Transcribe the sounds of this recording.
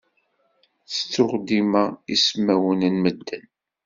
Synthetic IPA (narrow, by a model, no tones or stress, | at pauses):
θə̥t͡sːʊʁd̪imæḭsmæwənənməd̪ːən